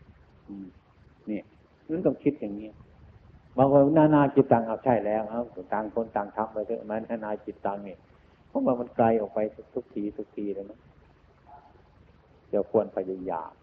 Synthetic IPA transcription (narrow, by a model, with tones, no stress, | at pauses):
ʔɯː˧˩m | ni˧˩əʔ | ma˧˨nka˧˩kʰi˦˧t̪̚ja˨ŋɲi˧˥˨ | maː˧waː˧naː˧˩˨naː˧ki˧˩t̪̚t̪a˧˩ŋʔa˧˩wt͡ɕʰa˧˩jlɛː˦˧˩wʔa˧˩wt̪a˧ŋkʰo˧˥˨nt̪a˨˩ŋt̪ʰa˧˥˨mpa˧jt̪ʰɯ˧˨ma˧˨naː˧˩˨naː˧ki˧˩t̪̚t̪a˧ŋni˧˨ | pʰɔ˧˥˦mwaː˧˩ma˧nkla˧jʔɔː˨˩k̚pa˧jt̪̚t̪ʰu˧˥k̚t̪ʰiː˧˩t̪ʰu˧˥k̚t̪ʰiː˧aː˧˩na˧˥˨ | t͡ɕa˧˩kʰu˧˨ənpʰa˧jdu˧ja̰ː˨˩m̚